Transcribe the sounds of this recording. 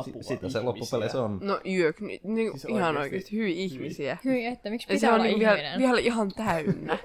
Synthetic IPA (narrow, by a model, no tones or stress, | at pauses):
sit̪æselopːupelesonnoʔyøknḭniŋihɑnoikḛːst̪i̥hyʋiihmisiæhjɑseonnikʋiælʋiælihɑnt̪æynːæ